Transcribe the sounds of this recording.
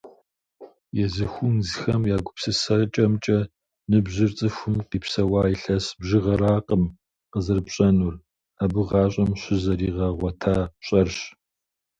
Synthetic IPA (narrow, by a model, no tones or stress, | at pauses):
jɛzɨxʷʊnzxɐmjaːɡʷʊpsɨsɐt͡ʃʼɐmt͡ʃʼɐ | nɨbʑɪrt͡sʼɨxʷʊmqiːpsɐwɑːiɬɐsbʑɪʁɐɾaːqəm | qəzɨrbɕʼɐnur | aːbɨʁɑːɕʼɐmɕɪzɐɾiːʁɐʁʷɐtʰaːɕʼɐrɕ